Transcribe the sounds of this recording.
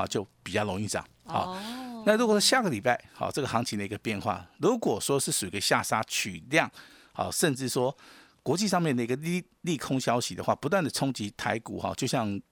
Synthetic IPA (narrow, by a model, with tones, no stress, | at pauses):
a̰˥˧t͡ɕjo˥˩ʊpi˨˩t͡ɕɑ˥˩ʊlo˧˥ŋi˥˩sɑ̰˨˩ŋhɔ̰˨˩˦na˥˩˨ɻu˧˥kwɔ˨˩ʂɔ˥ɕja˥˩ɡə˩li˨˩pa˥˧˩ɪhɔ̰˨˩ʈ͡ʂɤ˥˩ɡə˩xɑ˧˥ŋt͡ɕʰi˧˥d̪ə˨i˧˥ə˧pjɛ˥˧nxwa̰˥˩ɻu˧˥kwɔ˨˩ʂwɔ˥˧ʂɻ̩˥˩ʂu˨˩i˧˥ɡə˧ɕja˥˩ʂa˥t͡ɕʰy̰˨˩ljɑ˥˩ŋ | hɔ̰˨˩ʂə˥˧nʈ͡ʂɻ̩˥˩ʂwɔ˥ | kwɔ˧˥t͡ɕi˥˧ʂɑ˥˧ŋmjɛ˥˩nd̪ə˩i˧˥ɡə˧˥˨ | li˥˩kʰʊ˥ŋɕjɑ˥ʊɕi˨˥d̪ə˨˧xwa̰˥˩pu˧˥t̪wa˥˩nd̪ə˩t͡sʰʊ˥ŋt͡ɕi˧˥t̪ʰa˧˥ɪkṵ˨˩xɔ̰˨˩t͡ɕjo˥˧ʊɕjɑ˥˩ŋ